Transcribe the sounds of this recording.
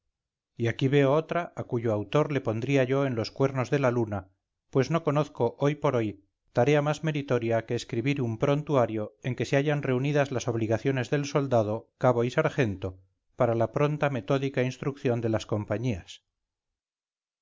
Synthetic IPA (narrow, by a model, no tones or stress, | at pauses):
iakiβe̞o̞ot̪ɾaakuʝoawt̪o̞ɾle̞po̞nd̪ɾiaʝo̞e̞nlo̞skwe̞ɾno̞zðe̞laluna | pwe̞zno̞ko̞noθko̞ʔo̞jpo̞ɾo̞j | t̪aɾe̞amazme̞ɾit̪o̞ɾjake̞ːskɾiβiɾumpɾo̞nt̪uaɾjo̞e̞ŋke̞seaʝanre̞uniðazlaso̞β̞liɣaθjo̞ne̞zðe̞lso̞ld̪að̞okaβo̞isaɾxe̞nt̪o̞ | paɾalapɾo̞nt̪ame̞t̪o̞ðikainst̪ɾukθjo̞nd̪e̞lasko̞mpaɲias